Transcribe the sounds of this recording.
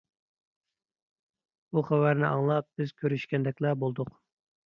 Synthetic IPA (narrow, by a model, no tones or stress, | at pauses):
buχævæɾnɪɑŋlˠɑp̚b̥ɪz̥kʲʰøɾyʃkʲɛnd̪ɛkʲlɛbolˠd̪ʊq